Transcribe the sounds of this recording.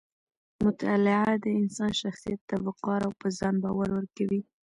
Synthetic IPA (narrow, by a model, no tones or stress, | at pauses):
mʊt̪ɑlɪʕad̪əɪnsɑnʃaxsijat̪ːabʊqɑɾawpəzɑnbɑwaɾwəɾkawi